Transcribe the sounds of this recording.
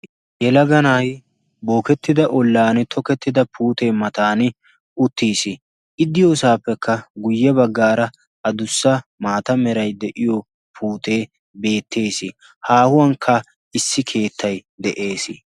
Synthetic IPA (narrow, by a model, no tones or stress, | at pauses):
jɛlɐɡɐnaːj | bo̞ːkɛt̪ːɪd̪ɐʔɔlːaːnɪt̪ʰɔkɛt̪ːɪd̪ɐpʰuːt̪e̞ːmɐt̪aːnɪ | ʊt̪ːiːsɪ | ʔɪd̪ːɪjosaːpːɛkːɐɡʊjːɛbɐɡːaːɾɐ | ʔɐd̪ʊsːɐmaːt̪ɐmɛɾɐjd̪ɛʔɪjɔ | pʰuːt̪eː | be̞ːt̪ːe̞ːsɪ | haːhʊwɐŋkʰːɐ | ɪsːɪkʰe̞ːt̪ʰːɐj | d̪ɛʔe̞ːsɪ